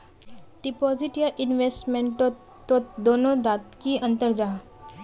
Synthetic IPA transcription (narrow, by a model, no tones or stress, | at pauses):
ɖɪpɔːzɪʈjaʔɪnʋeːsʈmẽɳʈo | t̪od̪oːnõd̪aːt̪kiɐ̃nt̪əɾd͡ʒaː